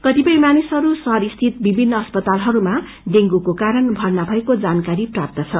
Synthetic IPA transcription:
kʌt̪ipʌjmanisɦʌɾusʌɾist̪ʰit̪bibʱinːʌʌspʌt̪alɦʌɾuma | ɖeŋɡukokaɾʌnbʱʌrnabʱʌekod͡zankaɾiprap̚t̪ʌt͡sʰʌ

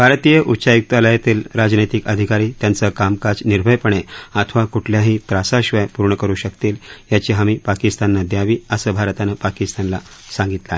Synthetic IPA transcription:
bʱaɾt̪ijəʔutːɕajuk̚t̪aləjat̪iːlɾad͡znəjt̪ikəd̪ʱikaɾiːt̪jant͡səkamkad͡zniɾbʱəjpəɳeat̪ʰʋakuʈʰljaɦiːt̪ɾasaɕʋəjpuɾɳəkəɾuːɕəkt̪iːljat͡ɕiɦamiːpakist̪anːad̪jaʋiːəsəbʱaɾt̪anapakist̪anlasãŋɡit̪lae

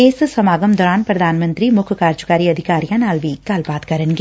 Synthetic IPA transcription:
eːsɨsɐmaːɡɐmd̪ɔɾaːnpɾɐd̪ʱaːnɐmɐnt̪ɾimʊkʰɐkaːɾt͡ʃukaːɾiɐd̪ʱikaːɾijanaːlʋiːkaːlpaːt̪̚kɐɾɐnɡ

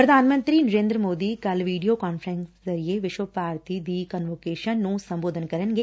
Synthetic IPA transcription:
pɾəd̪ʱaːnmə̃nt̪ɾiːnəɾẽːnd̪ɾəmoːd̪iːkɐlʋiːɖijoːkaːnpʰəɾə̃nszɐɾieʋɪʃʋəpaːɾt̪iːd̪iːkənʋoːkeːʃənːũːsɐ̃mboːd̪ʱənkɐɾənɡeː

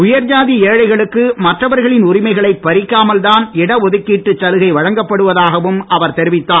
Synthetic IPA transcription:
ʊjɐɾd͡ʒaːðieːɻɐɪɣɐɭɯkːɯmɐʈrɐʋɐɾɣɐɭɪnʊrɪmɐɪɣɐɭɐɪpːɐɾɪkːaːmɐlðaːnɪɽɐɔðɯkːiːʈːɯt͡ʃːɐlɯɣɐɪʋɐɻɐŋɡɐpːɐɽɯʋɐðaːɣɐʋɯmɐʋɐɾt̪ɛɾɪʋɪt̪ːaː

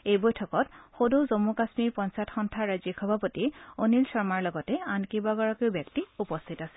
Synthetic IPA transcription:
ejbɔjtʰɔkɔtxodozomukasmiɹpɔnsatxɔntʰaɹazikʰɔbʱapotionilsɔɹmaɹlɔɡɔtɛankibaɡɔɹɔkeʊbjɛktiupɔstʰitasɛ̥

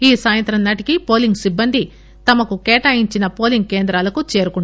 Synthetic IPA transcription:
iːsaːjɐnt̪ɾɐnnaːʈikipo̞ːliŋɡsibːɐnd̪i | t̪ɐmɐkukeːʈaːjiɲt͡ʃinɐpo̞ːliŋɡ̚ke̞ːnd̪ɾaːlɐkut͡ʃe̞ːɾukuɳ

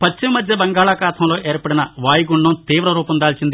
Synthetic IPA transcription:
pɐt͡ʃːimɐmɐd̪ʱjɐbɐŋɡaːɭaːkaːt̪ʰɐmlo̞ːʔeːɾpɐɽinɐʋaːjiɡuɳɖɐmt̪iːʋɾɐɾuːpɐnd̪aːlt͡ʃind̪i

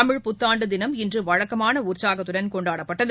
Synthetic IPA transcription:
ɐmɪɻpʊt̪ːaːɳɖɯd̪ɪnɐmɪndrɯʋɐɻɐkːɐmaːnɐuːrt͡ʃaːɣɐt̪ːʊɽɐnkɔɳɖaːɽɐpːɐʈːɐð

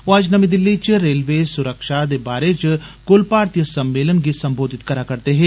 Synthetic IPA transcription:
oaːd͡ʒnəmid̪ɪlːit͡ʃɾeːlʋesʊɾəkʃad̪ebaːɾet͡ʃkʊlpaːɾt̪ijəsɐ̃mːeːlənɡisɐmboːd̪ʱɪt̪kɐɾakɐɾt̪eɦɛ̃ː

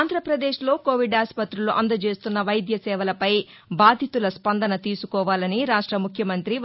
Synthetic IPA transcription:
nd̪ʱɾɐpɾɐd̪e̞ːʂlo̞ːko̞ːʋiɖaːspɐt̪ɾuluʔɐnd̪ɐt͡ʃe̞ːst̪unːɐʋɐjd̪ʱjɐsɛːʋɐlɐpɐj | baːd̪ʱit̪ulɐspɐnd̪ɐnɐt̪iːsukɔːʋaːlɐniɾaːʂʈɾɐmukʰjɐmɐnt̪ɾi

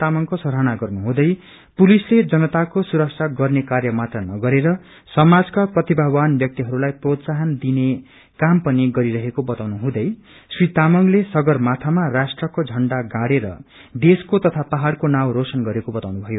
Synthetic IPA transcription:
amʌŋkosʌɾɦanaɡʌrnuɦũd̪ʌj | pulisled͡zʌnʌt̪akosuɾʌksʰaɡʌrnekarjʌmat̪rʌnʌɡʌɾeɾʌ | sʌmad͡zkaprʌt̪ibʱabanbjʌk̚t̪iɦʌɾulajprot̪saɦʌnd̪ine | kampʌniɡʌɾiɾʌɦekobʌt̪awnuɦũd̪ʌj | srit̪amʌŋlesʌɡʌrmat̪ʰamarasʈrʌkod͡zʱʌɳɖaɡãɽeɾʌ̰ | d̪eskot̪ʌt̪ʰapaɦaɽkonawɾosʌnɡʌɾekobʌt̪awnubʱʌjo

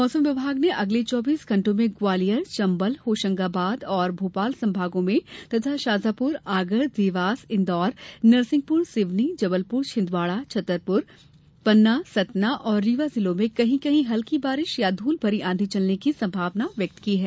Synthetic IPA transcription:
mɔːsə̃mʋɪbʱaːɡneʔɐɡlet͡ʃɔːbiːsɡʱɐ̃ɳʈõmẽɡwaːlijəɾt͡ʃɐ̃mbəlhoːʃə̃ŋɡabaːd̪ɔːɾbʱoːpaːlsɐ̃mbʱaːɡõmẽt̪ɐt̪ʰaʃaːzaːpʊɾaːɡəɽd̪ɪʋaːsɪ̃nd̪ɔːɾnɐɾsɪ̃ŋɡ̚pʊɾsɪʋnid͡ʒɐbəlpʊɾt͡ʃʰɪ̃nd̪ʋaːɭat͡ʃʰɐt̪ːəɾpʊɾ | pɐnːasɐt̪naʔɔːɾːiːʋazɪlõmẽkɐɦĩkɐɦĩɦɐlkibaːɾɪʃjad̪ʱuːlbʱɐɾiʔãːnd̪ʱit͡ʃɐlnekisɐ̃mbʱaːʋnaʋjɐk̚t̪kiɦɛː

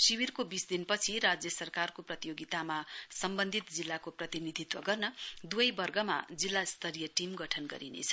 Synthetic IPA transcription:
siwirkobisd̪inpʌt͡sʰiɾad͡zjʌsʌrkarkoprʌt̪ijoɡit̪amasʌmbʌnd̪ʱit̪d͡zilːakoprʌt̪inid̪ʱit̪wʌ̰ɡʌrnʌd̪uʌjbʌrɡʌma̰d͡zilːast̪ʰʌɾijʌʈimɡʌʈʰʌnɡʌ̰ɾinḛt͡sʰʌ

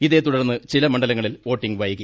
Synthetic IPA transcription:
iðe̞ːt̪uɽɐrnːɨt͡ɕilɐmɐɳɖɐlɐŋːɐɭilʋo̞ːʈːiŋɡʋɐjikːɐ

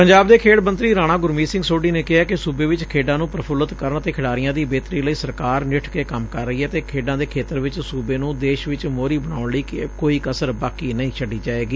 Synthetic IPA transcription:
pəɲd͡ʒaːb̚d̪eːkʰeːɽmənt̪ɾiːɾaːɽ̃ãːɡʊɾmiːsɪ̃ŋɡsoːɖiːneːkɪɦaːkɪsuːbeːʋɪt͡ʃkʰeːɖãːnũːpɾəpʰʊlət̪kəɾəɳt̪eːkʰɪɽaːɾɪjãːd̪iːbeːt̪ɾiːləiːsəɾkaːɾnɪʈʰkeːkəmkəɾːəiːɛːt̪eːkʰeːɖãːd̪eːkʰeːt̪əɾʋɪt͡ʃsuːbeːnũːd̪eːʃʋɪt͡ʃmoːɾiːbəɳaːʊɳləiːkkoːiːkəsəɾbaːkiːnəĩːt͡ʃʰəɖiːd͡ʒaːeːɡiː

